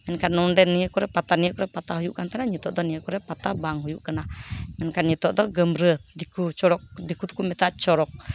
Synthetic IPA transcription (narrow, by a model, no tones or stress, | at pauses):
mɛnkanːundɛniəkɔɾɛpat̪anijəʔkɔɾɛpat̪aɦujuʔkant̪anaɲit̪ɔʔd̪ɔniəkɔɾɛpat̪abaŋɦujuʔkanamɛnkanɲit̪ɔʔd̪ɔɡəmɾəd̪ikut͡ʃɔɾɔk̚d̪ikut̪u̥kumɛt̪aʔt͡ʃɔɾɔk̚